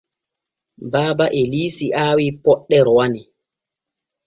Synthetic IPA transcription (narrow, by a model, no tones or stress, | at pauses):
baːbaʔelisiʔaːwipɔɗːɛɾɔwani